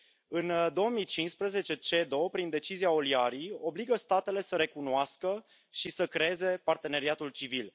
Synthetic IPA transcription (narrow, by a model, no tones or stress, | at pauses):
ɨnd̪o̞omit͡ʃinspɾeze̞t͡ʃe̞t͡ʃe̞d̪o̞pɾind̪e̞t͡ʃiziao̞liaɾijo̞bliɡəst̪at̪e̞le̞səɾe̞kunoaskə | ʃisəkɾeeze̞part̪e̞ne̞ɾiat̪ult͡ʃivil